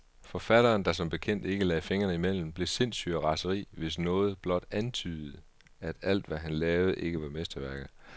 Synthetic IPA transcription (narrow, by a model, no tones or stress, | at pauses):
fɒ̽fæɾ̥ɐːnd̥ɑ̈sɒ̽mb̥e̝kʰen̰d̥e̝ɡ̥əlɛɪfe̝ŋɐnəimel̰m̩b̥le̝se̝n̰sy̰æʁɑ̈səʁḭːʋe̝snɔ̽ːð̞̩ˠb̥lɒ̽d̥ænt͡sʰyːð̩ˠ | æd̥æl̰d̥ʋæɦænlɛːʊð̞̩ˠʔe̝ɡ̥əʋɑ̈mesd̥ɐʋæɐɡ̥ð̩ˠ